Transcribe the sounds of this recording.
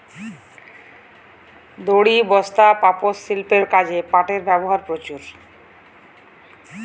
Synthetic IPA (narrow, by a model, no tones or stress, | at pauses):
d̪oɽibɔst̪apaposːilpeɾkad͡ʑepãʈeɾbɛboɦaɾpɾot͡ɕuɾ